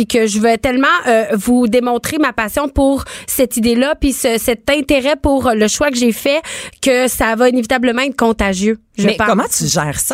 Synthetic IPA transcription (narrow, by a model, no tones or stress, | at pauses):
pikʲəʒəvɛt̪ɛlmɑ̃ʔøvud̪emɔ̃t̪χemapasjɔ̃puʁsɛt̪id̪elapɥisəsɛt̪ɛ̃t̪eʁɛpuʁləʃwakəʒefɛkʲəsavainevit̪abləmɑ̃ɛt̪̚kɔ̃t̪aʒjø | ʒəɛpãkɔmãt̪yʒɛːʁsa